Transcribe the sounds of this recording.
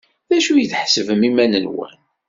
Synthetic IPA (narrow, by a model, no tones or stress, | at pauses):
ðæʃujəθħsəvəmimænənwæ̰n